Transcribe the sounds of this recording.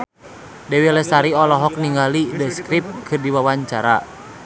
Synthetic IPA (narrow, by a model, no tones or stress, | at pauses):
dɛwilɛsaɾiɔlɔɦɔk̚niŋɡalidəskɾip̚kʰɨrdiwawaɲt͡ʃaɾa̰